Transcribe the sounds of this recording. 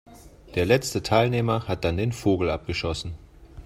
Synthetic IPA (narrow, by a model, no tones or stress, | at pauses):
d̥eːɐlɛt͡stətʰaɪlneːmɐhat̚d̥andeːnfoːɡl̩ʔap̚ɡ̥əʃɔsn̩